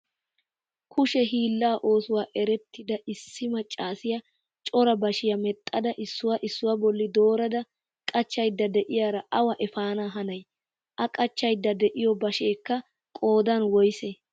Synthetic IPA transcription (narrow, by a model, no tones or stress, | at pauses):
kʰʊʃɛɦiːlːaːʔo̞ːsʊwaːʔɛɾɛt̪ːɪd̪ɐʔɪsːɪmɐt͡ʃʼːaːsɪjɐ | t͡ʃʼɔɾɐbɐʃɪjɐmɛt̪ʼːɐd̪ɐʔɪsːʊwaʔɪsːʊwɐbɔlːɪd̪o̞ːɾɐd̪ɐ | kʼɐt͡ʃːɐjd̪ːɐd̪ɛʔɪjaːɾɐʔɐwɐʔɛfaːnaːɦɐnɐj | ʔɐkʼɐt͡ʃːɐjd̪ːɐd̪ɛʔɪjɔbɐʃeːkːɐ | kʼo̞ːd̪ɐnwɔjse